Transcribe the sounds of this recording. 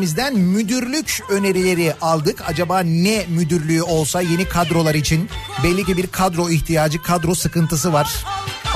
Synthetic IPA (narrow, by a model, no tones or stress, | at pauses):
mizd̪ænmyd̪yɾlʲycø̞ne̞ɾilʲe̞ɾiʔalˠd̪ɯkʰa̰d͡ʒabaːnɛmyd̪yɾlʲyyo̞lˠsaje̞nikʰad̪ɾo̞lˠaɾit͡ʃʰinbɛlʲːicibiɾkʰad̪ɾo̞içt̪ʰijaːd͡ʒɯkʰad̪ɾo̞sɯkɯnt̪ʰɯsɯvaɾ̥